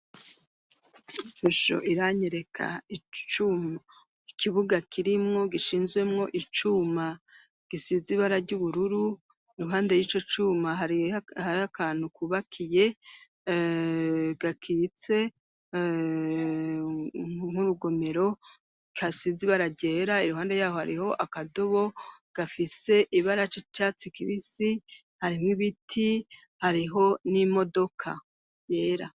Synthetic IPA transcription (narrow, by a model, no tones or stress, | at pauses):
ʃuʃo̰ʔiɾaɲeɾe̞kʰa̰it͡ʃuma | ikiβuɡakʰiɾimŋo̞ɡiʃiːnzɡwe̞mŋo̞ʔit͡ʃuma | ɡ̥isiziβaɾaɾɟuβuɾuɾu | ɾuɦaːnde̞jiːt͡ʃo̞t͡ʃuːmaahaɾakaːn̥hukuβakʰije̞ | ɡakʰiːt͡se̞ | ŋ̥uɾuɡo̞me̞ɾo̞ | kʰasiziβaɾaɟe̞ːɾaiɾuɦaːnde̞jaːho̞ha̰ɾiho̞ʔakadoβo̞ɡ̥afise̞ʔiβaɾat͡ʃit͡ʃat͡sikiβisi | haɾimŋiβitʰi | haɾiɦo̞nimo̞do̞kʰa | jeːɾa